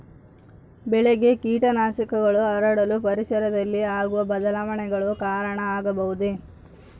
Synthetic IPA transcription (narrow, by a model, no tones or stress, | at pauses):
bɛɭeɡe̞kiːʈɐnaːsɐkɐɡɐɭuɐɾɐɽɐlupɐɾisɐɾɐd̪ɐlːiaːɡuʋɐbɐd̪ɐlaːʋɐɳɛɡɐɭukaːɾɐɳɐaːɡɐbɐɦud̪e